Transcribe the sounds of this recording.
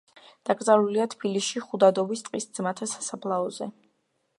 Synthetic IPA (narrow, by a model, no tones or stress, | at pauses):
d̪̥aɡʼzaɾuliat̪ʰb̥iliʃiχud̪ad̪ɔvist̪ʼqʼisd̪zmat̪ʰasḁsapʰlˠaɔzɛ